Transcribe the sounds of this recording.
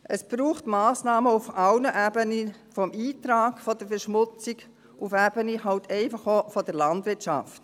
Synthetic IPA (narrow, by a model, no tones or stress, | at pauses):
ʔəsb̥ɾuːχtmɑːsnɑːməufɑwnəʔæːbənifɔmiːtɾaːkfɔd̥əɾfəɾʃmʊt͡sik | ʔufæb̥ənihɑwtʰɛɪfɑχofɔd̥əɾlɑndʋɪt͡ʃɑ̰ft